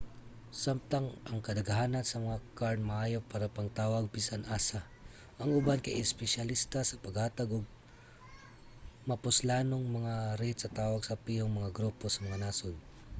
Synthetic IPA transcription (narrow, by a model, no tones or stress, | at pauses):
samt̪aŋʔɐŋkɐd̪ɐɡhaːnɐnsɐmɐŋakaɹnmɐʔaːjopaːɾapɐŋt̪aːwɐɡ̚pisanʔaːsa | ʔɐŋʊbankɐjɪspɛʃɐlist̪asɐpɐɡhaːt̪ɐɡoɡ̚ | mɐpʊslaːnoŋmɐŋaɾit̪sɐt̪aːwɐɡsɐpioŋmɐŋaɡɾuposɐmɐŋanaːsod̪